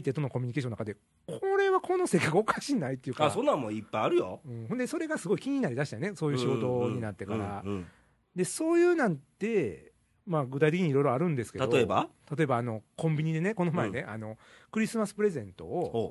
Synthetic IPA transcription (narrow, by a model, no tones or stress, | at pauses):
it̪ːet̪o̞no̞ko̞mʲiɲ̟ikeɕonːakad̪e̞ | kʰoɾe̞βakʰo̞no̞se̞kːakɯ̟o̞kaɕinait̪ːejɯ̟kasõnːãmoipːajaɾɯ̟jo̰ɯ̟̃ɴhond̪e̞so̞ɾe̞ɡasɨɡo̞ikʲiɲ̟inaɾʲid̪aɕi̥t̪ane̞so̞ːjɯ̟ɕiɡo̞t̪o̞ɲ̟inat̪ːe̞kaɾa | d̪e̞soːjɯːnãnt̪e̞ | maɡɯ̟t̪ait̪ekiɲ̟iɾo̞iɾoaɾɯ̟̃nd̪e̞sɨ̥ke̞t̪adot̪oeba̰t̪at̪o̞e̞baːno̞kõ̞mbʲiɲ̟id̪e̞ne̞ko̞nomaene̞ʔa̰no̞kɯ̟ɾʲisɨmasɨ̥pɯ̟ɾe̞zẽ̞nt̪o̞̰